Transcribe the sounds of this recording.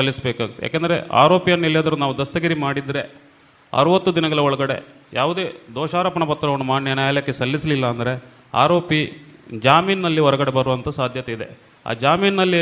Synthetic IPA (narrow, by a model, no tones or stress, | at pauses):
sɐlːisɐbeːkaːɡit̪ːeja̰ːkend̪ɐɾe̞̰ʔa̰ːɾo̞ːpijɐnːiljaːd̪ɐɾunaːʋud̪ɐst̪ɐɡɐɾimaːɽid̪ːɾe̞ | ɐ̰ɾuʋɐt̪ːud̪inɐɡɐɭɐɔɭɐɡɐɽe̞̰ | jaːʋud̪e̞ːd̪ɔːʃaːɾɐːpɐɳɐpɐt̪ːɾɐʋɐnːumaːɖɳnjɐnajaːljɐkːesɐlːisɐlilːɐːnd̪ɐɾe̞ | a̰ːɾo̞ːpid͡ʒaːmiːnːɐlːiɔɾɐɡɐɽe̞bɐɾuʋɐnt̪ʰɐsaːd̪ʱjɐt̪eid̪e̞̰ | a̰ːd͡ʒaːmiːnnɐlːi